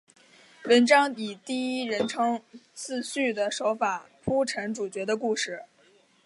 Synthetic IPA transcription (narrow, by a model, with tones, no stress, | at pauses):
wə˧˥nʈ͡ʂɑ˥ŋi˨˩t̪i˥˩i˥ɻə˧˥nʈ͡ʂʰɤ˧˥ŋt͡sʰɹ̩˥˧ɕy˥˩d̪ə˩ʂo˧˥ʊfa˨˩˦pʰu˥ʈ͡ʂʰə˧˥nʈ͡ʂu˨˩t͡ɕɥɛ˧˥d̪ə˧ku˥˧ʂɻ̩˥˩